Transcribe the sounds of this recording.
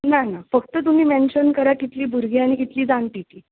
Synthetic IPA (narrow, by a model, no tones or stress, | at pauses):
nanafək̚t̪ət̪um̤iːmenɕənkəɾakit̪liːbʱuɾɡiaɽ̃ikit̪liːd̪anpiʈ̪iː